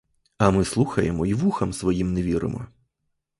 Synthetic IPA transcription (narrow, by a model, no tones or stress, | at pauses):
ɐmɪslˠuxɐjɛmɔiʋuxɐmsʋɔjimnɛʋʲiɾɪ̰mɔ̰